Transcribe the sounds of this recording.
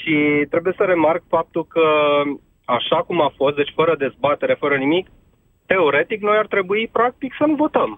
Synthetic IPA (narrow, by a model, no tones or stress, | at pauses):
ʃit̪ɾe̞buje̞səɾe̞markfap̚t̪ulkə | aʃakumafo̞st̪d̪et͡ʃʲfəɾəd̪e̞zbat̪e̞ɾe̞fəɾənimik | t̪e̞o̞ɾe̞t̪ikno̞jart̪ɾe̞buipɾak̚t̪iksənuvo̞t̪əm